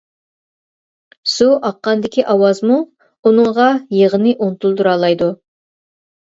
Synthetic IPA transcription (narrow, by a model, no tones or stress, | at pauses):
suʔɑqːɑnd̪ɪkʲʰiʔɑwɑzmu | unɨɴʁɑjeʁənɨʔont̪ʰulˠd̪uɾɑlˠɑjd̪u